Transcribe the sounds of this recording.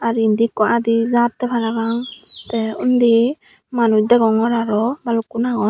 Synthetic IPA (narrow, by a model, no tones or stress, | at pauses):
aɾind̪ikɔʔad̪izatt̪ːɛbʰaɾabaŋt̪ɛund̪i | manud̪ɛɡɔŋɔɾaɾɔbalukunaɡɔ